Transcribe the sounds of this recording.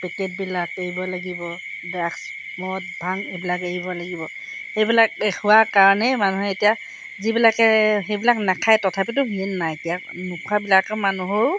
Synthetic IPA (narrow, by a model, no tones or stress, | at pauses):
pɛkɛt̚bilakeɦibɔlaɡibɔ | daks | mɔɔt̚bʱaŋebilakeɦibɔlaɡibɔ | xejbilak̚ehʊwakaɹɔnɛmanuɦɛetija | zibilakɛxejbilaknakʰajtɔtʰapit̬ʊɦinːajtija | nukʰabilakɛmanuɦoɹ